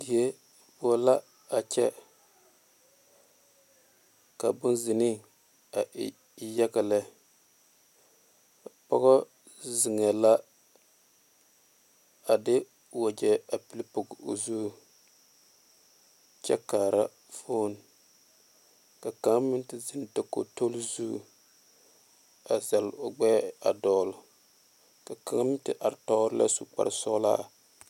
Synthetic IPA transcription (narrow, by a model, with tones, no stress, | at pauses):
di˨e˦ | bʊ˦la˦ | a˨t͡ʃɛ˦ | ka˨bʊ˦nzɪ˨ni˦ | a˨˦ | jɛ˦ɡa˨lɛ˦ | a˨pɔ̰˦ɣɔ˦ | zɪ˨ŋ˨a˨la˦ | a˨dɪ˦ | wa˨d͡ʒɛ˨a˨pi˦li˦pʊ˨ɡo̰˨zu˦˨ | t͡ʃɛ˦kaː˨ɾa˦ | fo˦n˨ | ka˨ka˨˦ŋ˦mɪ˦n˦tɪ˦zɪ˦n˨ta˨ko̰˨to˦lzu˦˨ | a˨za˨lʊ˨ɡ͡bɛ˦a˨dɔː˨lʊ˨ | ka˨ka˨ŋa˦mɪ˦tɪ˦ʔa˨ɾtɔ˦ɾɨ˦la̰˦su˨k͡pa̰˨ɾsɔ˦la̰˦